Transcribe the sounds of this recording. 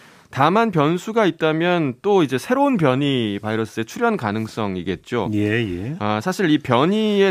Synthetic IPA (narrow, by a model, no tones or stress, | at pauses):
tamanpjʌnsʰuɡait̚t͈amjʌnt͈oid͡ʑe̞sʰe̞ɾounpjʌɲipaiɾʌs͈ɯe̞t͡ɕʰuɾjʌnkanɯŋs͈ʌŋiɡe̞t̚t͡ɕ͈ojejeasʰaɕʰiɾipjʌɲie